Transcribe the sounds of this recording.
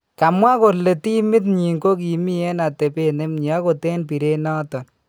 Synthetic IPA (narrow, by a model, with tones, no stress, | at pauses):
ka˨mwa˦ko˨le˨ti˦mɪ˦t̬ɲi˨ŋko˦k̬i˨mi˦ɛ˦na˨te˨pe˦ne˦mɲ˨a˦ko˨te˦npi˨ɾe˦nɔ˦tɔ˨n